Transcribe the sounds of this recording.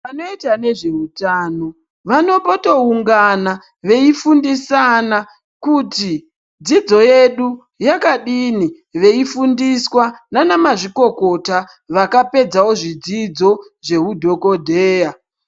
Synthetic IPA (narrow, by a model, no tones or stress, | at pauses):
ʋanoitane̞ʐe̞utaːno̞ | ʋano̞poto̞uŋɡana | ʋe̞ifundisana | kuti | d͡zid͡zo̞je̞ɗu | jakaɗini | ʋe̞ifundiswananamaʐiko̞ko̞ta | ʋakape̞d͡zawo̞ʐid͡zid͡zo̞ʐe̞ɦudʱo̞ko̞dʱeːja